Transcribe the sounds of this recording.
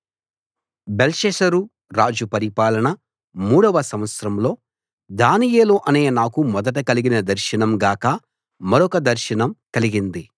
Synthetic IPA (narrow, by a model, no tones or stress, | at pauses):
belʃeːʃɐɾu | ɾaːd͡ʒupɐɾipaːlɐɳɐ | muːɽɐʋɐsɐmʋɐt̪sɾɐmlo̞ː | d̪aːnijeːloːʔɐneːnaːkumɔd̪ɐʈ̬ɐkɐliɡinɐd̪ɐɾʃinɐmɡaːkɐ | mɐɾɔkɐd̪ɐɾʃinɐmkɐliɡind̪i